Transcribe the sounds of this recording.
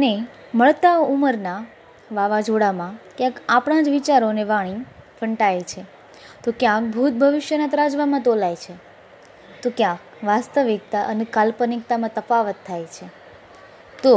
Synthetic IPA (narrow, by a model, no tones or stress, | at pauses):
əne | məɭt̪auməɾna | ʋaʋad͡ʒoɽamãkjãkapɳ̃ãd͡ʒʋit͡ʃaɾoneʋaɽ̃i | fʰəɳʈajt͡ʃʰe | t̪okjãk̚bʱut̪̚bʱəʋɪʃjənat̪ɾad͡ʒʋamãt̪olajt͡ʃʰe | t̪okjãk | ʋast̪əʋik̚t̪aʔənekalpənik̚t̪amãt̪əfaʋət̪ʰːajt͡ʃʰe | t̪o